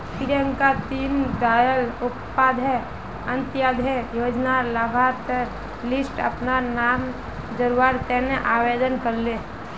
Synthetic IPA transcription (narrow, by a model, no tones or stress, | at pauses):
piɾə̃ŋkat̪iːnd̪aːjəlʊppaːd̪ʱe | ə̃nt̪jaːd̪ʱejoːd͡ʒnalabʱaɾt̪əɾ | lɪsʈə̰pnanaːm | d͡ʒəɾuaːɾt̪ɛneʔaːʋeːd̪ənkəɾle